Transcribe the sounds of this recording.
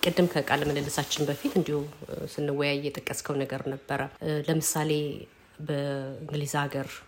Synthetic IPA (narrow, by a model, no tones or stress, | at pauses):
kʼɨd̪ːɨmkʰəkʼalːmələlːɨsat͡ʃːɪnbəfit̪ɨnd̪ihusɨnːɨwːɔjajjɛt̪ʼəkʼːəskʰəwnəɡəɾnəbːəɾʔələmɨsale̞ | bəɨŋɡlizaɡəɾ